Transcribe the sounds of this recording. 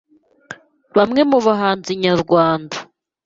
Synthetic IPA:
βamŋe̞muβaɦaːnziɲaɾɡwaːndḁ

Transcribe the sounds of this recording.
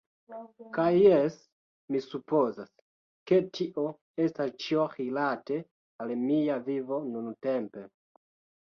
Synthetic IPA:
kajːes | misupo̞zas | ke̞tʰiʔo̞ | e̞stast͡ʃiohilate̞ | almiavivo̞nunutempe

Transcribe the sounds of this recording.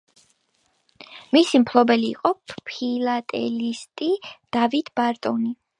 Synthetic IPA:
misimpʰlˠɔbɛlḭːqʼɔppʰilat̪ʼɛ̰list̪ʼid̪̥avit̪ʰbaɾt̪ʼɔni

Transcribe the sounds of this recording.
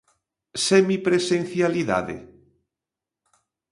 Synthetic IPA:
semipɾesen̟θjaliða̰ðḛ

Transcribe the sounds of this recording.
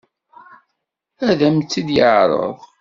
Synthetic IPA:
æðæmt͡sːid̪jəʕɾˤə̰ðˤ

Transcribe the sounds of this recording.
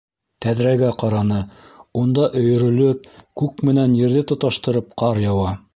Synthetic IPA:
t̪æðɾæɡæqɑɾɑnɤund̪ɑʔɵ̆jɵ̆ɾɵ̆lɵp̚kʉkmɘ̆nænjɘ̆ɾðɘt̪ŏt̪ɑʃt̪ɤ̆ɾɤp̚qɑɾjɑwɑ

